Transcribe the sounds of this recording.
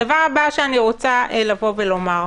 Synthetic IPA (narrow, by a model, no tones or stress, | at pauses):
davaʁabaʃeaniʁot͡saʔelavo̞velo̞maʁ